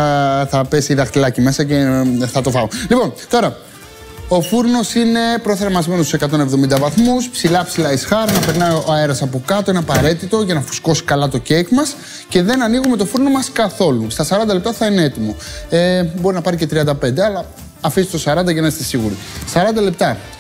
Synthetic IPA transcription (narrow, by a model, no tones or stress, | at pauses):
θɐpesiðɐxt̪ilɐcime̞sɐce̞θɐt̪o̞fɐolipo̞nt̪o̞ɾɐ | o̞fuɾno̞sine̞pɾo̞θe̞ɾmɐzme̞nost̪usekɐt̪o̞ne̞vðo̞mind̪ɐvɐθmuspsilɐpsilɐisxɐɾnɐpe̞ɾnɐjoɐe̞ɾɐsɐpo̞kɐt̪o̞eneɐpɐɾe̞t̪it̪o̞ʝɐnɐfu̥sko̞si̥kɐlɐt̪o̞cekmɐs | ce̞ðe̞nɐniɣume̞t̪o̞fuɾno̞mɐskɐθo̞lust̪ɐsɐɾɐnd̪ɐlep̚t̪ɐθɐinee̞t̪imo̞ebo̞ɾinɐpɐɾice̞t̪ɾiɐnd̪ɐpe̞nd̪eɐlɐː | fist̪t̪osɐɾɐnd̪ɐʝenɐst̪esiɣuɾi | sɐɾɐnd̪ɐle̞p̚t̪ɐ